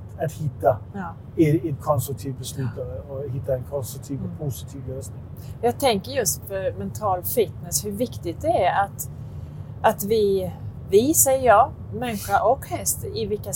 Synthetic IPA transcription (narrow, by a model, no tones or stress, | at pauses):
at̪hɪt̪ːa | ɛɛtkʰɔnst̪ɾɵk̚t̪ʰiːvbɛslʉːt̪ɔɔhɪt̪ːaɛnkʰɔnst̪ɾʊk̚t̪ʰiːvɔpʰʊsɪ̥t̪ʰiːvløːsnɪŋ | jɑːɡ̚t̪ʰɛŋkəɾjɵst̪fœɾmɛnt̪ʰɑːlfɪt̪nɛshɵvɪkt̪ɪɡ̪̚d̪ɛæɾat̪ | ʔat̪vɪvɪsɛjəjɑː | mɛnːɪɧaʔɔkhɛst̪ɪvɪkːa